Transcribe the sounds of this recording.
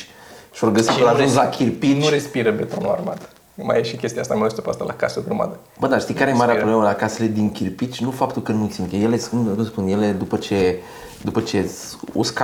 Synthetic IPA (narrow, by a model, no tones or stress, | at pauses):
ʃorɡəsiəlaʒunzlakʲirpit̪nɾespiɾəbe̞t̪onua̰rmat̪ | ma̰jeʃikʲe̞st̪iast̪amewest̪opast̪alʔa̰kasəɡɾəma̰d̪ə | bəd̪aʃt̪ijkaɾejemaɾeaɾobleməlakasele̞d̪iŋkʲirpit͡ʃʲnufap̚t̪ulkənuisint̪jejeleskunkuspunje̞le̞d̪upət͡ʃe̞ | d̪upət͡ʃe̞ | ṵska